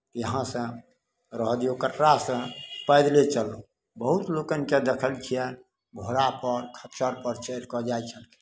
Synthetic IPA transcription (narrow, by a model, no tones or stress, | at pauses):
jəɦãsə̃ | ɾəɦd̪jokəʈɾasə̃pəd̪let͡ʃəl | bəɦut̪lokənked̪ekʰəlt͡ʃʰijɛ | bʱoɾapəɾkʰət͡ʃəɾpəɾt͡ʃəɾkɔd͡ʒajt͡ʃʰəlke̥